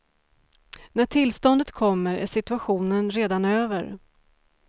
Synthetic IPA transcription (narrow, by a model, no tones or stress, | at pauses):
næʈʰɪlst̪ɔnd̪ət̪kʰɔmːəɾæ̰ʂɪt̪ɵaɧuːnənɾeːd̪anøːvəɾ